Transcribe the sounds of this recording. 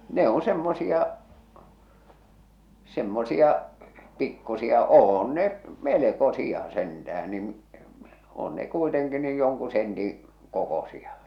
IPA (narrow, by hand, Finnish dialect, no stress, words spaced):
ne on semːosiɑ semːosiɑ pikːusiɑ oːn ne melekosiɑ sentææn nin̆ oːn ne kuiteŋki niːj joŋku sentĩː kokosiɑ